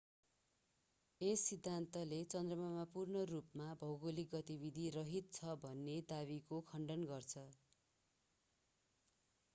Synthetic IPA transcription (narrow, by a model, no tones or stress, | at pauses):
esːid̪ʱːant̪ʌlet͡sʌnd̪rʌmamapurnʌrupmabʱʌwɡolik̚ɡʌt̪ibid̪ʱirʌɦit̪̚t͡sʰʌbʱʌnːed̪abikokʰʌɳɖʌnɡʌrt͡sʰʌ